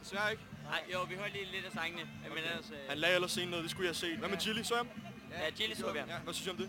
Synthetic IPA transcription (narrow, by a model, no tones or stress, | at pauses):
d̥e̝sʋæɐeɡ̥aɪ̰joʊʋihøɐliːle̝d̥æsɑŋnəjamenshænlɛ̰ːelɐsːe̝̰ːnɔ̽ːð̞ˠd̥e̝sɡ̥ujɑhæse̝̰ːd̥ʋæmet͡sʰilism | æt͡sʰilisuʋjæʋæsynsjɒ̽md̥e